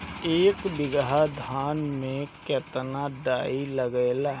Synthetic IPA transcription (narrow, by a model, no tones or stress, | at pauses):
eːkbɪɡɦad̪ʱaːnmẽkɛːt̪naɖaːiləɡela